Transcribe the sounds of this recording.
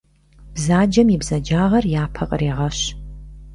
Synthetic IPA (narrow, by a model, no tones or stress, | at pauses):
b̥zaːd͡ʒɐmiːbzɐd͡ʒaːʁɐrjaːpʰɐqʼəreːʁɐɕ